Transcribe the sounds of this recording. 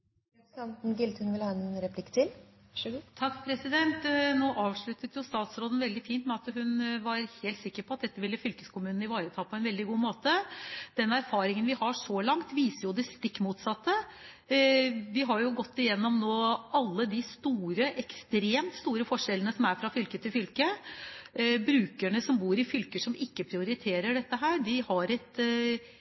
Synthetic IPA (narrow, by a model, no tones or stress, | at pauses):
ɑnt̪n̩ɡɪlt̪ʰənʋɪlhɑːɛnɾɛpʰlɪkːt̪ʰɪl | t̪ʰɑkːpʰɾɛsɪd̪ɛnt̪noːʔɑːʋʂɭʉt̪ət̪jʊst̪ɑːt̪sɾoːd̪ən̩ʋɛld̪ɪfiːnt̪mɛɑt̪ɦʉnʋɑɾheːlt̪sɪkːəɾpʰɔɑt̪̚d̪ɛt̪ːəʋɪlːəfʏlkə̥skʰʊmʉːnn̩ɪʋɑːɾət̪ʰɑːpʰɔɛnʋɛld̪ɪɡuːmoːt̪əd̪ɛnæɾfɑːɾɪŋənʋɪhɑʂɔlɑŋt̪ʋiːsəɾjʊd̪ɛst̪ɪkːmuːt̪sɑt̪ːə | ʋɪɦɑɾjʊɡɔt̪ːɪjɛnːɔmnoːɑlːəd̪ɪst̪uːɾəʔɛkst̪ɾeːmt̪st̪uːɾəfɔʂɛlənəsɔmæɾfɾɑfʏlkət̪ʰɪlfʏlkə | bɾʉːkæɳəsɔmbuːɾɪfʏlkəʂɔmɪkːəpʰɾɪʊɾɪt̪ʰeːɾəɖɛt̪ːəɦæːɾɖɪhɑɾɛt̪